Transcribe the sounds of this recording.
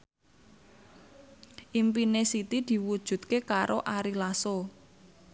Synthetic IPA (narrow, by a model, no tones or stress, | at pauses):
ʔimpinesit̪id̪̥i̤wud̥ʒ̥ṳt̪̚kekaɾʔoʔaɾilaso